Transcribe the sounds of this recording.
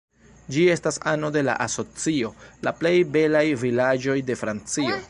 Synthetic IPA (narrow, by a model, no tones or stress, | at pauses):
d͡ʒie̞stasano̞de̞la̰ʔaso̞t͡sio̞laple̞jbe̞lajvilad͡ʒo̞jde̞fɾant͡sio̞